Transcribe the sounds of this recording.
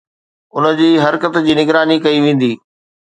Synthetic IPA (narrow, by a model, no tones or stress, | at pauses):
ʊnə̆d͡ʑiːɦɐɾkət̪d͡ʑiːnɪɡɾaːnikɐiʋẽːn̆d̪iː